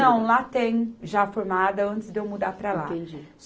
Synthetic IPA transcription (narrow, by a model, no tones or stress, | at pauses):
ɐ̃w̃lat̪ẽj̃ʒafoɾmad̪ɐɐ̃nt̪ɪzd̪ewmud̪apɾɐlat̪ẽd͡ʒis